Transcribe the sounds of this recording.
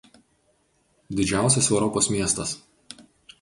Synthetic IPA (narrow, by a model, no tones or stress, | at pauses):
d̪ʲɪd͡ʒʲæˑʊsʲɛsɛʊɾɔpoːsmʲiɛst̪ɐs